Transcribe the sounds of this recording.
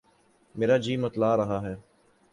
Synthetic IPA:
meːɾaːd͡ʒiːmɐt̪laːɾɐɦaɦɛː

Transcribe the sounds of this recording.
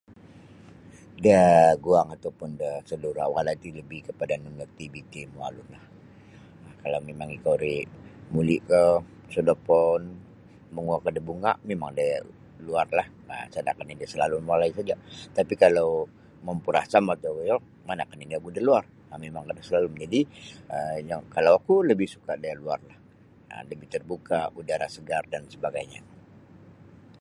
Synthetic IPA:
dəɡuaŋat̪apʊndəsəduɾa̰waadait̪iləbɪhkəpadanunərt̪ibik̪emua̰lulah | akalawmemaŋikawɾimuliʔkə | sodapɔn | məŋuakədəbuŋa̰ʔmemaŋdə | luarlah | ə̰sada̰kanidiasəlalumalaisad͡ʒat̪apikalaw | məmpuɾa̰hsamat̪awəjɔ | manakaniniakudaluar | amemaŋkadasəlaluməd͡ʒadiəjaŋkalawakuləbɪhsu̥kadajalua̰rlah | ə̰ləbiht̪ərbukaudaɾasəɡardansəbaɡajɲa̰

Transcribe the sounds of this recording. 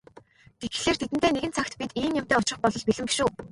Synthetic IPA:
t̪et̪ɘ̆ɮeːrt̪ʰet̪ɘ̆nt̪eːneɣɘ̆nt͡sʰakt̪pʲit̪iːnjam̥t̪æːʊt͡ɕrɪ̆χpɔɮɞ̆ɮpiɮɘ̆mpi̥ʃuː

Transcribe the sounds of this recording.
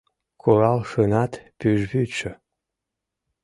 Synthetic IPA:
kʰolɑlʃənɑt̪pyʒβyt͡ʃø

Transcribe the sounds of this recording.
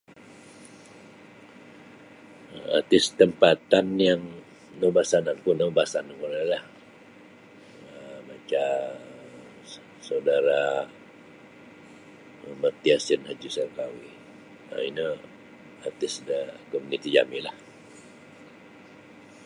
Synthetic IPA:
a̰rt̪ɪst̪əmpat̪anjaŋ | nəbasanankunəbasankuɾəlah | əbat͡ʃa | sawdaɾa | mərt̪iasənhad͡ʒisarkawi | ə̰inə | art̪ɪsdəkɔmunit̪id͡ʒa̰milah

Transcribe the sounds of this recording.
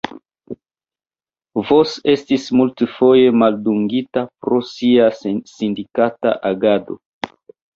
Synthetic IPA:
vo̞se̞stismultfo̞je̞malduŋɡitapɾo̞siasindikata̰ʔaɡado̞̰

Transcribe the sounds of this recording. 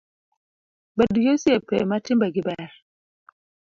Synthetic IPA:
badujosiepɛ̰matimbaɡibaa

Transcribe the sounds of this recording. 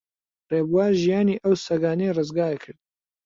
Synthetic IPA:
reːbuwaːɾʒijaːniːʔəwsɐɡaːnejrɨzɡaːekʰɨɾd̪̚

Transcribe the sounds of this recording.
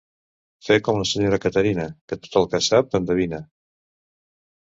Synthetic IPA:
fekɔmunəsəɲoɾəkət̪əɾinəkət̪o̥t̪əlˠkəsap̚ənd̪əβinə

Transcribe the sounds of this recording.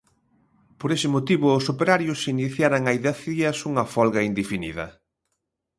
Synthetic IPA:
poɾesɪmot̪iβʊːsopeɾaɾjʊsiniθjaɾaŋajðaθiɐsuŋɐfɔlɣɐind̪efiniðɐ̰

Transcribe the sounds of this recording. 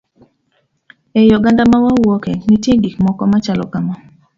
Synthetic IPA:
ejɔɡandamawawɔkɛnitjeɡikmɔkɔmat͡ʃalɔ̰kamɔ

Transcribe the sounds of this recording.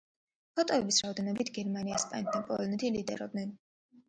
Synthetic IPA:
pʰɔt̪ʼɔɛbisɾaɔd̪ɛnɔbit̪ʰɡɛɾmaniaspʼa̰nɛt̪̚ʰd̪apʼɔlˠɔnɛt̪ʰilid̪ɛ̰ɾɔ̰b̪nɛn

